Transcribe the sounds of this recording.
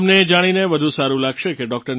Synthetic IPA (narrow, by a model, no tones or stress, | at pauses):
mned͡ʒaɽ̃ineʋəd̪ʱũsaɾũlaɡʃekeɖɔk̚ʈəɾn